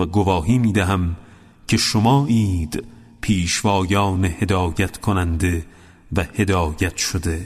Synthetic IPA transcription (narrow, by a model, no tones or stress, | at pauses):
væɡovɒːɦiːmiːd̪æɦæm | cʰe̞ʃomɒːʔiːd̪̥ | pʰiːʃvɒːjɒːnehe̞d̪ɒːjæt̪ʰkʰonænd̪e̞ | væhe̞d̪ɒːjæt̪ʰʃod̪e̞